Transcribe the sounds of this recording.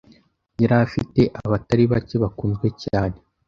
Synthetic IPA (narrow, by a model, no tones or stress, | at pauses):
jiɾafite̞ʔaβataɾiβaceβakuːnzɡwe̞caːne̞